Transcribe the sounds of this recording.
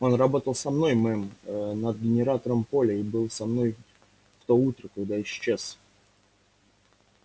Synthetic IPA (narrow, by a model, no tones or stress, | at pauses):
o̞nrɐbo̞t̪əlˠsɐmno̞jmɛmnəd̪̚ɡʲɪnʲɪɾat̪əɾəmpo̞lʲɪibɨlˠsɐmno̞j | ft̪out̪ɾəkɐɡd̪aɪɕːes